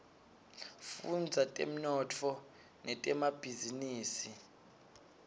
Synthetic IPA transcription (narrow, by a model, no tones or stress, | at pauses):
fund͡zʱatʼem̩nɔtʰɔ | nɛtʼɛmab̥ʱiziniːsi